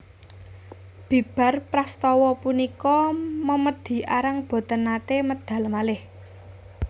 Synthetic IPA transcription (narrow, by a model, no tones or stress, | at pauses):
b̥i̤b̥a̤rpɾast̪ɔwɔpunikɔməməd̪̥i̤ʔaɾaŋb̥o̤t̪ənːat̪eməd̪̥ä̤lmalɪh